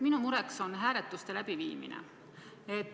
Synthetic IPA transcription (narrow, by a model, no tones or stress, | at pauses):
minumuɾe̞kso̞nɦæːɾet̪ːˑust̪e̞læb̥ivḭːmḭnḛ | et̪ː